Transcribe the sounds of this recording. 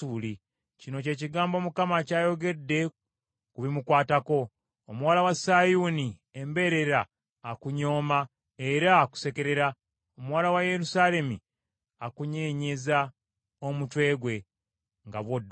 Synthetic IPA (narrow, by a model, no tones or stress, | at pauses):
uːli | cino̞ce̞ːciɡaːmbo̞mukamacaːjo̞ɡe̞dːe̞ | kuβimukwaːtako̞ː | muwalawasaːjuni | embe̞ɾe̞ɾaː | kuɲo̞ːma | e̞ɾaku̥se̞ke̞ɾe̞ɾa | omuwaːlawaje̞ɾusaːle̞mi | akuɲe̞ːɲe̞za | omutwe̞ːɡwe̞ | ŋɡaβwodː